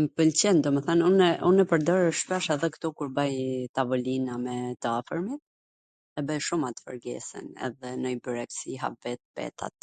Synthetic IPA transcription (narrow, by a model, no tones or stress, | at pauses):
mpəlt͡ɕind̪ɔmɛθanunɛʔunɛpəɾd̪ɔɾɛʃpɛʃaðɛkt̪ɔkuɾbajt̪avɔlinamɛt̪əafəɾmit̪̚ | ɛbɛʃumat̪ə̥fə̰ɾɡɛ̰sɛ̰nɛ̰ðɛnəipyɾɛksiɦa̰p̚vɛt̪̚bɛ̰t̪a̰t̪̚